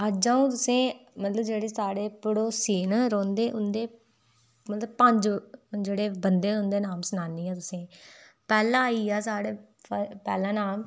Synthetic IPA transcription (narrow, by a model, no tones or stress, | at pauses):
əd͡ʒãːũːt̪ʊsẽːmət̪ləbd͡ʒeːɽeːsaːɽeːpəɽoːsiːnɾõːnd̪eːʔʊnd̪eː | mət̪ləbpəɲd͡ʒd͡ʒeːɽeːbənd̪eːʊnd̪eːnaːmsənaːniːãːt̪ʊsẽː | pɛːlãːaːiːaːsaːɽeː | pəpɛːlãːnaːm